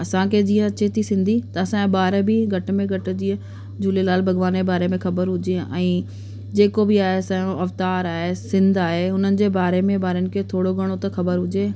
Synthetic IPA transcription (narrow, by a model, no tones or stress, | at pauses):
ɐsãkʰed͡ʑiːə̃ɐt͡ɕet̪ʰisɪ̃nd̪ʱit̪ɐɐsãbaːɾbɪɡʱɐʈ̆mẽɡʱɐʈ̆d͡ʑiːə̃ | d͡ʑuːlelaːlbʱɐɡʋaːnebaːɾemẽxɐbəɾɦʊd͡ʑeʔɛ̃ː | d͡ʑeːkobɪaːɦesɐ̃õɐft̪aːɾaːɦesɪ̃nd̪aːɦeɦʊnənɪ̆d͡ʑeːbaːɾemẽbaːɾənɪ̆kʰet̪ʰoːɽoɡʱɐɽ̃ot̪ɐxɐbəɾɦʊd͡ʑeː